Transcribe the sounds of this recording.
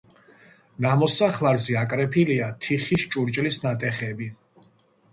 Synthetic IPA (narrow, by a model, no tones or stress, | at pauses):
namɔsaχlaɾzɛakʼɾɛpʰiliat̪ʰiχist͡ʃʼuɾt͡ʃʼlisnat̪ʼɛχɛbi